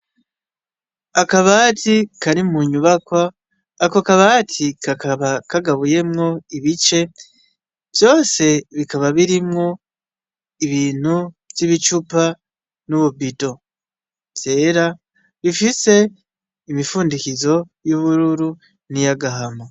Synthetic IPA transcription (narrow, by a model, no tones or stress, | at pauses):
akaβatikaɾimuɲuβakwaː | ko̞kaβatʰikʰakaβakaɡaβuje̞mŋo̞iβit͡ʃe̞ | v̥jo̞ːse̞βikaβaβiɾimŋo̞ | iβiːn̥hu | z̥iβit͡ʃupa | nuβubito̞ | z̥e̞ɾa | βifise̞ | imifuːndikizo̞juβuɾuɾu | nijaɡaɦamo